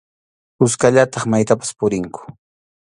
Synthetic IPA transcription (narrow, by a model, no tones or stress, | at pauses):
hʊskaʎat̪ɑχmajt̪apḁspʊɾɪŋkʊ̥